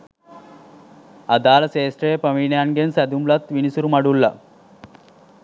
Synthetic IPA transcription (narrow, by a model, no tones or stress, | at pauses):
ɐd̪aːlɐseːsʈɾeepəminjanɡensæd̪umlɐt̪ʋinisuɾumɐɽulːɐ